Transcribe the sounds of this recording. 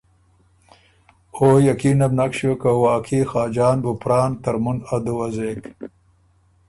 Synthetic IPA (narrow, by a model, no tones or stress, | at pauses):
oːjakiːnɐbnakɕokawaːkʰixaːd͡ʒɑːnbupɾɑːnt̪ɐɾmunɐd̪uwɐzeːk